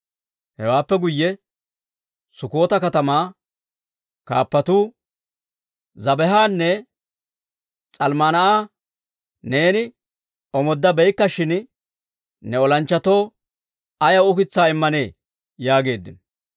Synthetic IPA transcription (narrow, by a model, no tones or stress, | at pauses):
hɛwaːpːɛɡʊjːɛ | sʊko̞ːt̪ɐkɐt̪ɐmaː | kaːpːɐt̪uː | zɐbɛɦaːnːɛ | t͡sʼɐlmanɐʔaː | ne̞ːnɪ | ɔmɔd̪ːɐbɛjkːɐʃɪn | nɛɔlɐnt͡ʃːɐt̪o̞ː | ɐjɐʊkɪt͡sːaːɪmːɐne̞ː | jaːɡe̞ːd̪ːɪ̰n